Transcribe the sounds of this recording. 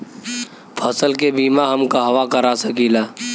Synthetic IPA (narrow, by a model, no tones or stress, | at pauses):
pʰəsəlkebiːmaɦɐmkaɦɐʋakəɾasəkiːlaː